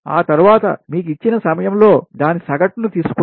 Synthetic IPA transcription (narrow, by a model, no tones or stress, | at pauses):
a̰ːt̪ɐɾuʋaːt̪ɐ̰miːk̬uit͡ʃːinɐsɐmɐjɐmlo̞ːd̪aːnisɐɡɐʈːunut̪iːsu̥ku